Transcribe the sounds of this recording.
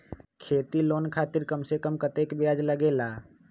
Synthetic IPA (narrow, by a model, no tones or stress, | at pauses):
kʰeːt̪iloːnkʰaːt̪ɪɾkəmsekəmkət̪eːkbjaːd͡ʒləɡeːlaː